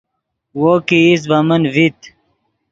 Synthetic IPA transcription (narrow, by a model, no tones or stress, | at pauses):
woːkiis̬bɐmənvit̪